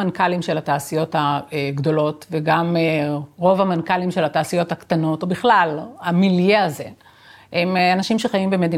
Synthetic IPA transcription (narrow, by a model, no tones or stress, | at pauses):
ankalimʃe̞lataːsijo̞thaeɡdo̞lo̞tveɡameʁo̞vamankalimʃe̞lataːsijo̞thakt̪ano̞tobiχlalamiljeaze̞ | emanaʃimʃeχajimbeme̞din